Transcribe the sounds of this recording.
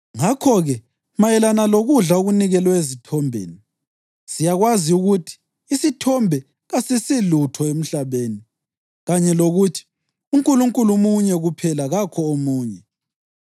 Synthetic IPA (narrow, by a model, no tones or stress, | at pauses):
ŋakʰɔɣɛ | majɛlanaloɣuɮaoɣuniɣɛlwaezitʰɔmbʱḛːni | sijaɣwaziuɣutʰi̥ː | sitʰɔmbʱɛ | ɣasisilutʰɔem̩ɬaβeːni | ɣaɲɛloɣutʰi̥ | uŋkʼuluŋkʼulumuɲɛɣupʰɛlaɣakʰɔomuːɲɛ